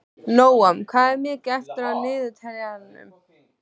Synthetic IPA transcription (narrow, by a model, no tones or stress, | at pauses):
noːwamkʰvaːðɛɾmjɛcɛft̪ɪɾaðnɪːðʏt̪ʰɛɾjaðannʏ̰m